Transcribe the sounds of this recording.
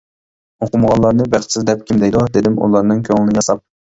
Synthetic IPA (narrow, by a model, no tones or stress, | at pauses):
oqʊmʁɑlˠːɑɾnɨbæχsɪzd̪ɛp̚kʲʰimd̪ɛjd̪ud̪ed̪ɪmṵlˠɑɾnɨŋkʲʰøŋlɪnɪjɑsɑp̚